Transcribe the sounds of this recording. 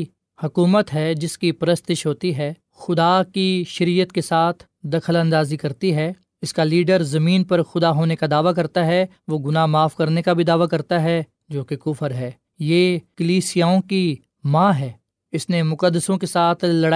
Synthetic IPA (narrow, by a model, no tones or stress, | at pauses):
hɐkuːmət̪ɦɛːd͡ʒɪskipɐɾəst̪ɪʃɦoːt̪iɦɛː | xʊd̪aːkiʃɐɾiːjət̪kesaːt̪ʰ | d̪ɐkʰələ̃nd̪aːzikɐɾt̪iɦɛː | ɪskaliːɖəɾzɐmĩːnpɐɾxʊd̪aɦoːnekad̪aːʋak̬ɐɾt̪aɦɛ | ʋoːɡʊnamaːfkɐɾnekabʱid̪aːʋakɐɾt̪aɦɛ | d͡ʒoːkekʊfəɾɦɛː | jeːkəliːsijaːõki | mãːɦɛː | ɪsnemʊqəd̪ːəsõkesaːt̪ʰlɐɽa